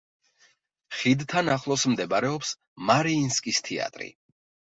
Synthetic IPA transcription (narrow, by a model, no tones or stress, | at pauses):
χid̪t̪ʰanaχlˠɔsmd̪ɛbaɾɛɔps | maɾiːnskʼist̪ʰia̰t̪ʼɾḭ